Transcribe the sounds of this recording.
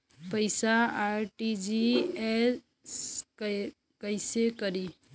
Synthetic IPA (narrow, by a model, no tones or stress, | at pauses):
pəɪsaaɾʈid͡ʒie | s | kəjsekəɾi